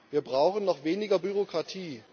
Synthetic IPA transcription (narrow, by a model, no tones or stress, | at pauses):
viːɐbʁaʊxn̩nɔχv̥eːnɪɡɐbyʁokʁ̥atʰiː